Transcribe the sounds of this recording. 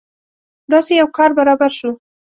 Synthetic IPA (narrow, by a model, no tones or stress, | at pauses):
d̪ɑsejawkɑɾbaɾɑbaɾʃu